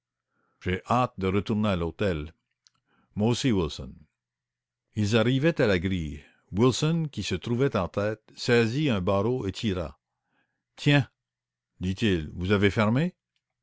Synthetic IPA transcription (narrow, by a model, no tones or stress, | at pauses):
ʒ̥eʔat̪̚d̪əʁət̪uʁnealot̪ɛl | mwaosiwilsɔ̰n | ilzaʁivɛt̪alaɡʁij | wilsɔnkʲisət̪ʁuvɛt̪ɑ̃t̪ɛt̪sɛziɛ̃baʁoet̪ʰiʁa̰ | t̪ʰjɛ̃ | d̪it̪ilvuzavefɛʁme